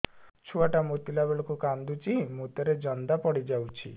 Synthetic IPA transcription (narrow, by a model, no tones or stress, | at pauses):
t͡ʃʰuaʈamot̪ilabeɭɔkukand̪ut͡ʃimot̪ɔɾed͡ʒɔnd̪apɔɽid͡ʒawt͡ʃʰḭ